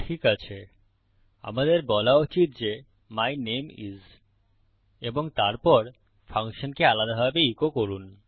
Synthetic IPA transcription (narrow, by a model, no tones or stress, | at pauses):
ʈʰikat͡ɕʰe | a̰mad̪eɾbɔlaut͡ɕit̪̚d͡ʑe | majnemḭz | eboŋt̪aɾpɔɾ | fʰaŋkʃonkealad̪aɦɔbeikokoɾun